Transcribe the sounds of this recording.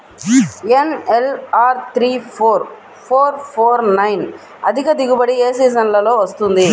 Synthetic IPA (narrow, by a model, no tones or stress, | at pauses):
enelaːɾt̪ʰɾiːpʰoːɾ | pʰoːɾpʰoːɾnɐjn | ɐd̪ʱikɐd̪iɡubɐɽieːsiːzɐnlɐlo̞ːʋɐst̪und̪i